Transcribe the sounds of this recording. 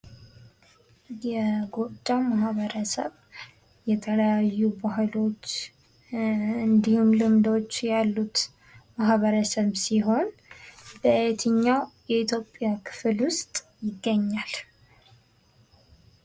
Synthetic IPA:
jɛɡot͡ʃʼːawmaɦβəɾəsə̰β | jɛt̪ʰələjajːubaɦɨlo̞t͡ʃː | ɨnd̪ihumlɨmd̪o̞t͡ʃːjalːut̪ | maɦβəɾəsəβsiɦo̞nbəjɛt̪ʰɨɲːawjɛit̪ʰjo̞pʼːjakʰɨ̥flwʊst̪ʼjɪɡːəɲːal

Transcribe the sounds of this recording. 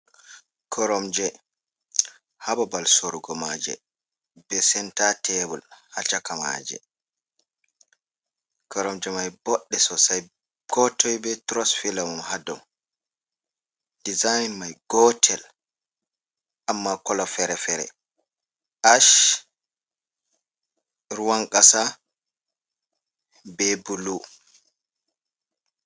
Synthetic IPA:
kʰɔɾɔmd͡ʒɛ | habɔbalsoɾuɡɔmad͡ʒɛ̰ | b̥ɛsɛntatɛbɔlhat͡ʃakama̰ːd͡ʒɛ̰ | kɔɾɔmd͡ʒɛmajbɔɗːɛsɔsaj | ɡ̥ɔtɔjbɛtɾɔsfilamumhadɔm | dizajnmajɡɔtʰɛl | amːakɔlafɛɾɛfɛɾɛ̰ | ʔaʃ | ɾuwaŋkʼasa | bɛbulu

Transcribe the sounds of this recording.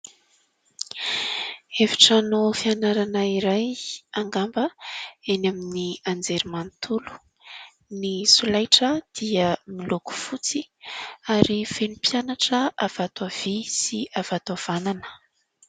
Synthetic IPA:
evi̥ʈ͡ʂanofianaɾanəiɾajaŋɡambəenaminiand͡zeɾimant̪ʰulu̥ | nisulajʈ͡ʂəd̪̥iəmiloku̥fut͡siaɾivenupjanaʈ͡ʂəʔav̥at̪av̥isiavat̪av̥ananə̥

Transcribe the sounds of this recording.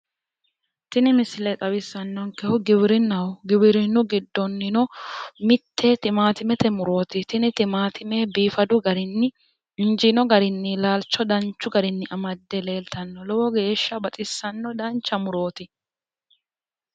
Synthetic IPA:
t̪ɪnɪmɪsɪlɛt̪ʼɐwɪsːɐnːɔŋkɛhʊɡɪbɪɾɪnːɐwɡɪbɪɾɪnːʊɡɪd̪ːɔnːɪnɔmɪt̪ʰːɛt̪ɪmaːt̪ɪmɛt̪ɛmʊɾo̞ːt̪ɪt̪ɪnɪt̪ɪmaːt̪ʰɪmɛbiːfɐd̪ʊɡɐɾɪnːɪ | ɪnd͡ʒɪnɔɡɐɾɪnːɪlaːlt͡ʃːɔd̪ɐnt͡ʃːʊɡɐɾɪnːɪʔɐmɐd̪ːɛle̞ːlt̪ɐnːɔlɔwɔɡe̞ːʃːɐbɐt̪ʼɪsːɐnːɔd̪ɐnt͡ʃːɐmʊɾo̞ːt̪ɪ

